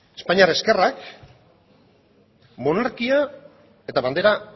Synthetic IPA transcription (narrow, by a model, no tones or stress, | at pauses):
espaɲiaɾeske̞rak | mo̞naɾkia | e̞t̪aβand̪e̞ɾa